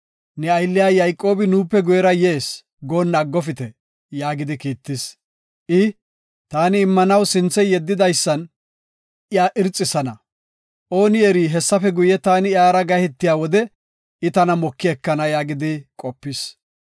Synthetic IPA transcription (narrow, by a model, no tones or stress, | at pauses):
nɛɐjlːɪjaːjɐjkʼːo̞ːbɪnuːpːɛɡʊjɛɾɐjeːs | ɡo̞ːnːɐɡːɔfɪt̪ɛ | jaːɡɪd̪ɪkiːt̪ːɪs | ʔɪ | t̪aːnɪːmːɐnɐwsɪnt͡sːɛjɛd̪ːɪd̪ɐjsːɐn | ʔɪjaːʔɪɾt͡sʼːɪsɐnɐ | ʔo̞ːnɪɛɾiːɦɛsːɐfɛɡʊjɛt̪aːnɪaːɾɐɡɐhɛt̪ːɪjaːwɔd̪ɛ | ɪt̪ɐnɐmɔkːɪɛkːɐnɐjaːɡɪd̪ɪkʼɔpːɪs